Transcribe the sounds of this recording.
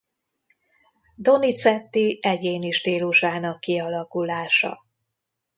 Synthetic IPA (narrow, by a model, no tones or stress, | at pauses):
d̪o̞nit̪sɛt̪ːiʔɛɟeːniʃt̪iːluʃaːnɒkːiɒlɒkulaːʃɒ̰